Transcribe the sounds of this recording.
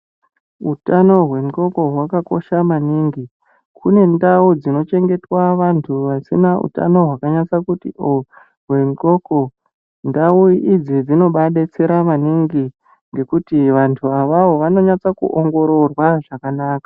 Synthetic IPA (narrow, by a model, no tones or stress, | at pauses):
utano̞ɦwe̞nko̞ko̞ɦwakako̞̰ʃamaniŋɡi | kʰune̞ndaud͡zino̞t͡ʃe̞ŋɡe̞twaʋantʰuʋasinaṵta̰no̞ɦwakaɲat͡sakutḭʔo | ɦwe̞nko̞ko̞ | ndauʔid͡zid͡zino̞ɓaɗet͡se̞ɾamaniŋɡi | ŋɡe̞kutiʋantʰuaʋaʋo̞ʋano̞ɲat͡sakṵʔoŋɡo̞ɾo̞rwaʐakanaːkḁ